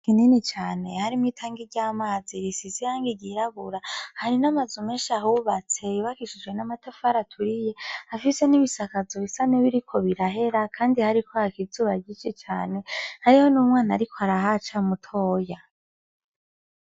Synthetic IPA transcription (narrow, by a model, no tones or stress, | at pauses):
kininit͡ʃaːne̞haɾimitʰaːŋɡiɟaːmaːziɾisizijaːŋɡiɟiɾaβuɾahaɾinamazumeːnʃahuβat͡se̞iβakiʃud͡ʒwe̞namatafaɾatʰuɾije̞afise̞niβisakazoβisaneβiɾikʰo̞βiɾaɦe̞ɾakʰaːndihaɾikʰohakizuːβaɟit͡ʃit͡ʃaːne̞haɾiho̞numŋaːnaɾikʰo̞haɾaɦat͡ʃamutʰo̞ːja